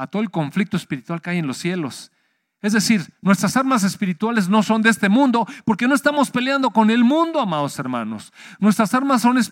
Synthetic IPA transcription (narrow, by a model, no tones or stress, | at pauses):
at̪oðelko̞ɱflik̚t̪oespiɾit̪walkeajenlo̞sːje̞lo̞s | e̞zðe̞siɾnwe̞st̪ɾasaɾmas̬e̞spiɾit̪walezno̞so̞nd̪eest̪e̞mũnd̪o̞po̞ɾke̞noest̪amo̞spe̞ljand̪o̞ko̞ne̞lmũnd̪o̞amaðo̞seɾmã̰no̞̰s | nwe̞st̪ɾasaɾmas̬ːo̞nes